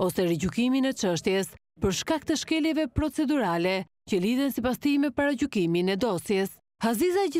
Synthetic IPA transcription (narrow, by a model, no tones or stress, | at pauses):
ɔsɛɾɛɟukiminɛt͡ʃəʃt̪jɛs | pəɾʃkak̚t̪əʃkɛljɛvɛpɾɔt͡sɛd̪uɾalɛ | cəliðɛnsipast̪imɛpaɾaɟukiminɛd̪ɔsjɛs | hazizaɟi